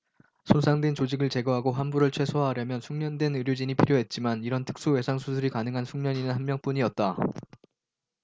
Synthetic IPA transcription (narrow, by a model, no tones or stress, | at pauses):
sʰonsʰaŋdwe̞nt͡ɕod͡ʑiɡɯɭt͡ɕe̞ɡʌɦaɡoɦanbuɾɯɭt͡ɕʰwe̞sʰoɦaɦaɾjʌmjʌnsʰuŋɲʌndwenɯɾjod͡ʑiɲipʰiɾjoɦe̞t̚t͡ɕ͈imaniɾʌntʰɯ̥k̚s͈uwe̞sʰaŋsʰusʰɯɾikanɯŋɦansʰuŋɲʌɲinɯnɦanmjʌŋp͈uɲiʌt̚t͈a